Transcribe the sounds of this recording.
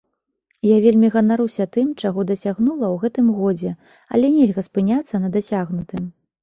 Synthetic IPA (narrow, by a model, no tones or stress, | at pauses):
javʲelʲmʲiɣɐnaɾusʲɐt̪ɨmt͡ʂaɣɔd̪ɐsʲaɣnulˠɐwɣɛt̪ɨmɣɔd͡zʲɛ | ɐ̰lʲɛnʲɛlʲɣɐspɨnʲat̪sːɐnɐd̪asʲaɣnut̪ɨm